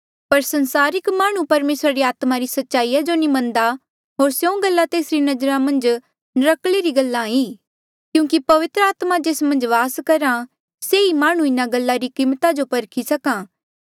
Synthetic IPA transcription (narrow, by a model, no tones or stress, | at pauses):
pɐɾsɐ̃nsaːɾɪkmaːɽ̃ũpɐɾmeːsɾaɾiaːt̪maɾisɐtːʃaːijad͡ʒonimɐ̃nd̪a | ɦoːɾsjõɡɐlːat̪eːsɾinɐd͡ʒɾamɐ̃nd͡ʒ | nɐɾəkleɾiɡɐlːãiː | kjũːkipɐʋɪt̪ɾəaːt̪mad͡ʒeːsmɐ̃nd͡ʒʋaːskɐɾã | seimaːɽ̃ũɪnaɡɐlːaɾikɪ̃ːmt̪ad͡ʒopɐɾkʰisɐkãː